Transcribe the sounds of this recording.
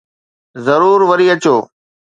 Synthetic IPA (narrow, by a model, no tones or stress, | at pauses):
zɐɾuːɾʋɐɾiːɐt͡ɕoː